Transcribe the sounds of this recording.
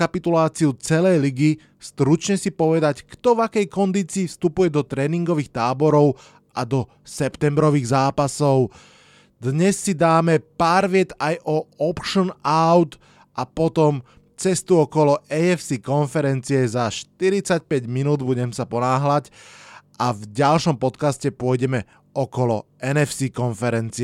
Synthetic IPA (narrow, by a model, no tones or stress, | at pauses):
apit̪ulaːt͡siut͡sɛlɛjliɡi | st̪ɾut͡ʃɲɛsipɔʋɛd̪ackt̪ɔvakɛjkɔnd̪iːt͡siːfst̪upujɛd̪ɔt̪ɾɛːniŋɡɔʋiːxt̪aːbɔɾɔʊ | ʔad̪ɔ | sɛpt̪ɛmbɾɔʋiːɣzaːpasɔʊ | d̪ɲɛsːid̪aːmɛpaːɾʋɪɛt̪ajʔɔɔpʃənaʊt̪ | ʔapɔt̪ɔm | t͡sɛst̪uɔkɔlɔʔɛɛfsiːkɔnfɛɾɛnt͡siɛzaʃt̪iɾit͡sac̚pɛɟminuːd̪buɟɛmsapɔnaːɦlacʔavɟalʃɔmpɔt̪kascɛpʊɔjɟɛmɛ | ʔɔkɔlɔʔɛnɛfsiːkɔnfɛɾɛnt͡siɛ